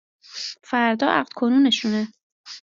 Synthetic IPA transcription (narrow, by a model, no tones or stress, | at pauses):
fæɾd̪ɒːʔæ̰ɢlkʰonuːneʃune